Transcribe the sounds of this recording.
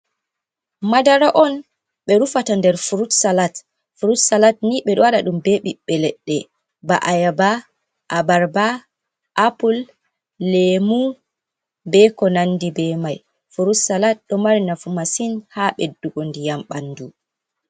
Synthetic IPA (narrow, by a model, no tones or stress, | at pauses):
madaɾaʔɔn | ɓɛɾufatandɛɾfuɾutsalat | fuɾutsalat̚niɓɛɗɔwaɗaɗumbɛɓiɓːɛlɛɗːɛ | ba̰ʔajaba | ʔabaɾba | ʔapulː | emu | bɛkɔnanːdibɛmaj | fuɾutsalat̚ɗɔmaɾinafumasinhaɓɛdːuɡondijamɓanːdu